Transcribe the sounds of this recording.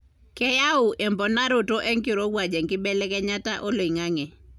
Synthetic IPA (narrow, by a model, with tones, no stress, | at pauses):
kɛ˦ja˦ʊ˨ʔɛ˨mbɔ˨na˦ɾo˨to˦ʔɛ˦ŋkɪ˦ɾo˦wa˨d͡ʒɛ˨ŋkɪ˦bɛ˦lɛ˦kɛ˦ɲa˦ta˦ʔo˦lo˨i˨ŋa˦ŋɛ˨